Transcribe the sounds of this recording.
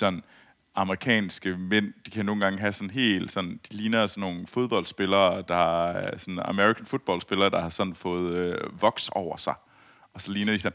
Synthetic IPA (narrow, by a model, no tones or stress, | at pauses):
sɒ̽n | ɑ̈məʁikʰɛ̰ːnsɡ̥əmen̰d̥ikʰæno̝ːn̩ɡ̥ɑ̈ŋɦæsɒ̽nɦe̝̰ːld̥sɒ̽n̰d̥iliːnɐsɒnːo̝ːn̩fo̝ð̞ˠb̥ɒ̽ld̥sb̥e̝lɐːd̥ɑ̈sɒ̽nɑmeʁikʰænfo̝ð̥ˠb̥ɒ̽l̰sb̥e̝lɐːd̥ɑ̈hɑ̈sɒ̽nn̩fɔ̽ːð̞̩ˠøʋɒ̽ɡ̥sɒʊ̰ɐsɑ̈ɪ | ɒ̽sɒ̽liːnɐd̥isɒ̽n